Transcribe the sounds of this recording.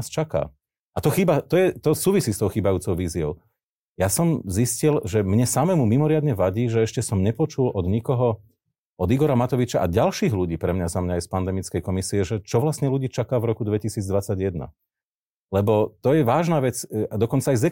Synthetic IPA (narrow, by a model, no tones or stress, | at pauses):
st͡ʃaka̰ː | ʔat̪ɔxiːbat̪ɔjɛt̪ɔsuːʋisiːst̪ɔʊxiːbajuːt͡sɔʊʋiːziɔʊ | jasɔmziscilʒɛmɲɛsamɛmumimɔɾɪad̪ɲɛʋaɟiːʒɛɛʃcɛsɔmɲɛpɔt͡ʃulɔd̪ɲikɔɦɔ | ɔd̪iɡɔɾamat̪ɔʋit͡ʃaʔaɟalʃiːɣluɟiːpɾɛmɲazamɲajspand̪ɛmit͡skɛjkɔmisiɛʒɛt͡ʃɔʋlasɲɛluɟiːt͡ʃakaːvɾɔkud̪ʋɛcisiːd͡zd̪ʋat͡saɟjɛd̪na̰ | lɛbɔt̪ɔjɛʋaːʒnaʋɛt͡sad̪ɔkɔnt͡saːjzɛ